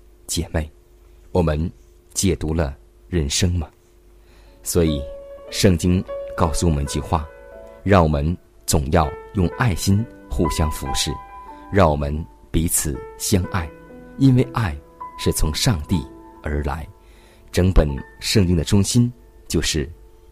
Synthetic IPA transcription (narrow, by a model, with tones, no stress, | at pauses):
t͡ɕjɛ˨˩me˥˩ɪ | wɔ˨˩mə˧˦n | t͡ɕjɛ˨˩t̪u˧˥lə˧ | ɻə˥˩nʂɤ˥ŋmɐ˨ | swɔ˧˥i˨˩ʂɤ˥˩ŋt͡ɕi˥ŋkɑ˥˧ʊsu˥˩wɔ˨˩mə˦nt͡ɕy˥˧xwa̰˥˩ɻɑ˥˩ŋwɔ˨˩mə˧˦n | t͡sʊ˨˩ŋjɑ˥˧ʊjʊ˥˧ŋʔa˥˩ɪɕi˥nxu˥˩ɕjɑ˥ŋfṵ˧˥ʂɻ̩˥˩ɻɑ˥˩ŋwɔ˨˩mə˦n | pi˧˥t͡sʰɹ̩˨˩ɕjɑ˥ŋʔa˥˩ɪi˥nwe˥˧ɪʔa˥˩ɪ | ʂɻ̩˥˩t͡sʰʊ˧˥ŋʂɑ˥˧ŋt̪i˥˩ə˞˧˥la̰˧˥ɪ | ʈ͡ʂɤ˧˥ŋpə˨˩nʂɤ˥˧ŋt͡ɕi˥ŋd̪ə˨ʈ͡ʂʊ˥ŋɕi˥n | t͡ɕjo˥˧ʊʂɻ̩˥˩